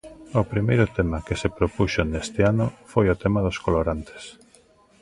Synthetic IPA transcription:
ʊpɾimejɾʊt̪ɛmakesepɾopuʃonest̪eanʊfojʊt̪ɛmaðoskoloɾant̪ʰe̥s

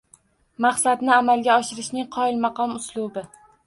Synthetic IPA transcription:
maχsad̪nɪamalˠɡʲaɒʃɪɾɪʃnɪŋqʰɒɪlmɑqʰɒmʊslˠʊbɪ

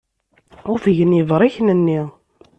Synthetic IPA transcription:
ʊɾfəʝənivɾˤiçnənːi

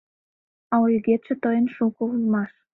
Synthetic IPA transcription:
ɑujɣet̪ʃə̆t̪əjənʃukounmɑʃ

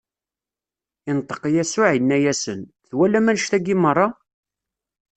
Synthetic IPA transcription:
ɪnt̪ˤːə̥qjæsʊʕinːæjæsən | θwælːæmænʃt̪æɡimərˤːɑ

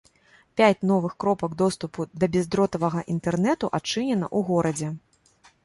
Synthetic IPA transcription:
pʲat͡sʲnɔvɨxkɾɔpɐɡd̪ɔst̪upud̪ɐbʲɛzd̪ɾɔt̪ɐvɐɣɐʔint̪ɛrnɛt̪uʔat͡ʂɨnʲɛnɐ̰ʔuɣɔɾɐd͡zʲɛ

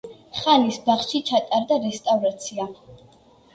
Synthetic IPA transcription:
χanisbaχʃit͡ʃʰat̪ʼaɾd̪aɾɛst̪ʼavɾat̪sʰia

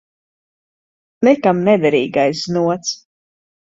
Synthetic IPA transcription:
nɛkamnɛd̪ɛɾiːɡajs̬znuɔt̪s

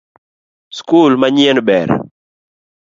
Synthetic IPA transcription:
skulmaɲɛnbɛ̰ɾ

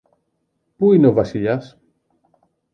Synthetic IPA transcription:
puineo̞vɐsiʎɐs

